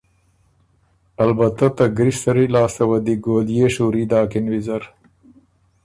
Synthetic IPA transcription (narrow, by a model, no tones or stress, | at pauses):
ɐlbɐt̪at̪ɐɡɾist̪ɐɾilɑːst̪ɐwɐd̪iɡoːljeʂuːɾid̪ɑːkɪnwizɐɾ